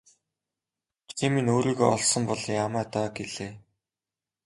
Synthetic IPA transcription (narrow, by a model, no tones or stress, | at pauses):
timinoːɾiːɣoɔ̰ɮsɞ̆mpɔɮjamæːt̪œːɡeɮeː